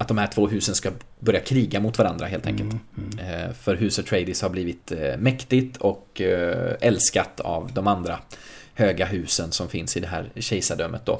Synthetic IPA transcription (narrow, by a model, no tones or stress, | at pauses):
at̪̚d̪ɔmhæːʈʰv̥oːɦʉ̟ːsənska | bœɾjakʰɾiːɡamʊt̪ːvaɾand̪ɾaɦeːlt̪ɛ̰ŋkəlt̪ | fœɾɦʉ̟ːsɔt̪ʰɾɛɪd̪ɪshaɾbliːvɪt̪mɛkt̪ɪt̪ʰɔk | ɛlskat̪ʰa̰vd̪ɔmand̪ɾahøːɡaɦʉ̟ːsənsɔmfɪnsɪd̪ɛɦæ̰ːɾɕɛjsaɖœmːət̪d̪ɔ̰